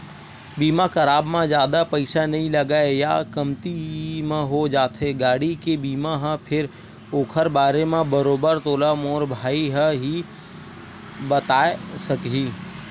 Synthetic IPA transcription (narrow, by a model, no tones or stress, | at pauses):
biːmakɐɾaːbmãzjaːd̪apɐɪsanɐɦĩlɐɡaːejakɐmt̪imẽɦod͡ʒaːt̪ɦeɡaːɽikebiːmaɦə̃pʰɪɾ | oːkʰəɾbaːɾemẽbəɾoːbəɾt̪oːlamɔːɾbʱaːiɦə̃ɦi | bɐt̪aːesɐkɦiː